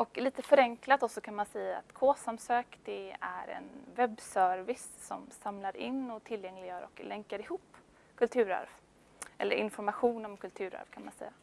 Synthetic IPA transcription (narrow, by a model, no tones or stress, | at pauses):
ɔkliːt̪əfœɾɛŋklat̪̚d̪ɔsɔkʰanmansɛjːa̰ːt̪kʰoːsamsøːkd̪ɛæ̰ɾɛ̰nvɛbːsœːɾvɪsːɔmsamlaɾɪnːɔt̪ʰɪlːjɛŋlɪɡjœːɾɔ̰klɛŋkaɾɪhuːpː | kʰɵlt̪ʰʉ̟ːɾa̰ɾv | ʔɛ̰lːə̰ɾʔɪ̰nfɔɾmaɧuːnɔmkʰɵlt̪ʰʉ̟ːɾa̰ɾvkʰanmansɛ̰jːa